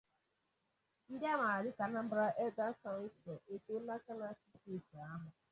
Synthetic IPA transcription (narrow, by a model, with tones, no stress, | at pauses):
n̩˦da˦ma˨a˨ɾɪ˦ka˨na˦m̩˦bɾa˦ʔɛ˦ɡa˦ka˨n̩˦sɔ˨e˦to˦la˦ka˦na˦t͡ʃi˦ste˦˨ti˨a˦ɦʊ˨